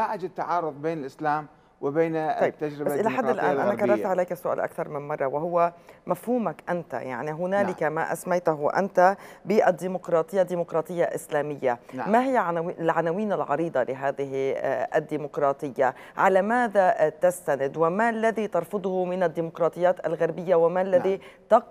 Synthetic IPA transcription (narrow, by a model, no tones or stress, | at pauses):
aʔad͡ʒɪd̪̚t̪ːaʕɑːɾˤʊðˤbeːnɪlʔɪslaːm | wɪbeːnɑːbt̪ːad͡ʒɾɪbʔɪlaħadːɪlʔaːnʔanakɑˤɑɾt̪ʕalejkasːʊʔa̰ːlʔa̰kθɑɾˤmɪnmɑrˤːɑwɪɦʊwːamafhuːmakʔant̪a̰ja̰ʕniɦʊnaːlɪkama̰ʔa̰smajt̪ahw̰ʔa̰nt̪abɪʔad̪ːiːmʊqɾˤɑːt̪ˤɨjːad̪iːmʊqɾˤɑːt̪ˤɨjːaʔɪslaːmɪjːamaɦɪjːaʕanawiɪlʕanaːwiːnɪlʕɑ̰ɾiːd̪ˤɑlɪɦaːðɪɦʔa̰d̪ːiːmʊqɾˤɑːt̪ˤɨjːa | ʕalamaːðat̪ast̪anɪd̪wamaʔlːaðit̪ɑɾˤfʊd̪ˤhʊmɪnad̪ːiːmʊqɾˤɑːt̪ˤɨjːaːt̪a̰lɣaɾbɪjːawamalːaðit̪ɑq